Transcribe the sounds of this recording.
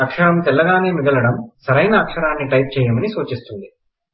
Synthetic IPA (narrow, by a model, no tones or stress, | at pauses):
ɐkʂɐɽɐmt̪ɛlːɐɡaːne̞ːmiɡɐlɐɽɐmsɐɾɐjnɐːkʂɐɾaːnːiʈɐjp̚t͡ʃɛːjɐmɐnisuːt͡ʃist̪und̪i